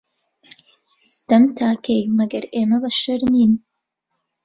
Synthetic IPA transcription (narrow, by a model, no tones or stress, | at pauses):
st̪ɐmt̪ʰaːkejmɐɡɐɾeːmɐbɐʃɐɾniːn